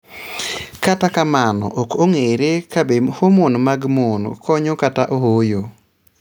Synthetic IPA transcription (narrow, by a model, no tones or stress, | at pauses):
katakamanɔ̰ʔokoŋeɾekabehomonmaɡmonkʰɔɲokataʔohojo